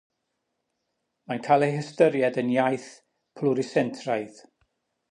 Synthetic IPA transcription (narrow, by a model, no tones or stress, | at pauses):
mankʰalˠehəstəɾjɛdənjajθ | pʰlʊɾisɛntʰraɨð